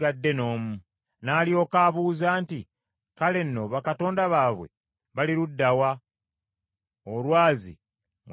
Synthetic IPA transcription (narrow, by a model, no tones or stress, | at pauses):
adːe̞no̞ːmu | naːlio̞ːkaːβuːzaːnti | kale̞nːo̞βakato̞ːndaβaːβwe̞̰ | βaliɾudːawa | olwaːzḭ | ŋ